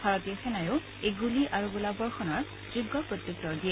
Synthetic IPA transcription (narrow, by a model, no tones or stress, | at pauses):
bʱaɹɔt̪iɔsɛnajʊ | eɡuliʔaɹuɡulabɔɹxɔnɔɹ | dɹiɡːɔpɹot̪juk̚tɔɹdijɛ